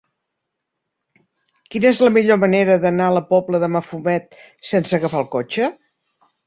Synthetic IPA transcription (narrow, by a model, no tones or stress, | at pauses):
kinəezləmiʎoməneɾəðənaələpɔpləðəməfumɛt̪̚ | sensəɣəfalˠkot͡ʃə